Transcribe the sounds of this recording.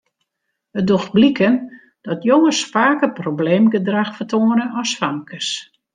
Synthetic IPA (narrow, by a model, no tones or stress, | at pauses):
ədoxt̚blikən | d̥ɔtjoŋəsfaːkəprobleːmɡədraxfətʰoənənɔsfamkʰəs